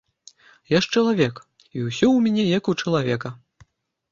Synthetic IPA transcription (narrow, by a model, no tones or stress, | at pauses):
jaʂt͡ʂɐlˠavʲɛk | iwsʲɔwmʲanʲɛjɐkut͡ʂɐlˠavʲɛkɐ